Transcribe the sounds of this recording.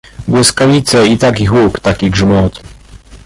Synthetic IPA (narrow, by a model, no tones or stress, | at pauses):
ɡwɘskavʲit̪sɛit̪akʲixukt̪akʲiɡʐmɔt̪